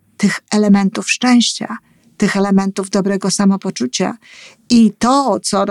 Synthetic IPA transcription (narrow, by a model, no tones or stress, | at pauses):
t̪ɘxɛlɛmɛnt̪ufʂt͡ʂɛ̃w̃ɕt͡ɕa̰ | t̪ɘxɛlɛmɛnt̪uvd̪ɔbɾɛɡɔsamɔpɔt͡ʂut͡ɕa̰ | it̪ɔt̪sɔɾ